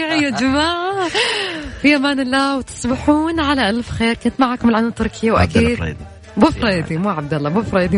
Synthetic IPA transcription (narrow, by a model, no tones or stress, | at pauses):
ʕjad͡ʒɪmaːʕʕ | fiʔamaːnɪlːaːwt̪ɨ̥sˤbɪħuːnʕalaʔalfxeːɾkʊnt̪maʕaːkʊmɪlʕanat̪ːʊɾˤkɪjawʔa̰kiːd̪̰ | buːfɾˤɑːjd̪imuːʕab̚d̪alːɑbuːfɾˤɑːjd̪i